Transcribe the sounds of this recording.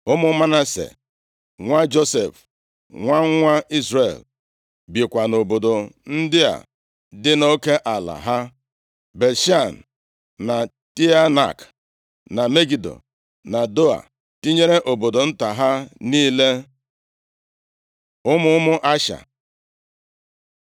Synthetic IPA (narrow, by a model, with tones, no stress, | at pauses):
ʊ˦mʊ˦ma˦na˦sḛ˨ | ŋʷa˦d͡ʒo˦se˨f | ŋʷa˦ŋ˦ŋʷa˦i˦zɾe˨l | bje˨kʷa˨no˨bo˨do˨n̩˦dɪ˦a̰˨ | dɪ˦no˦ke˦ʔa˨la̰˨ɦa˦ | be˨lʃa˦˨n̩˨ | na˨ | ti˦a˦na̰˨k | na˨me˦ɡi˨do̰˨ | na˨do˦a̰˨ | ti˦ɲe˦ɾe˦ʔo˨bo˨do˨n̩˦ta˨ɦa˦niː˦le˦ | ʊ˦mʊ˦ʊ˦mʊ˦ʔa˦ʃa̰˨